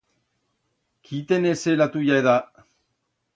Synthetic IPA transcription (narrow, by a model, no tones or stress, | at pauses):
kʰit̪eneselat̪ujaeða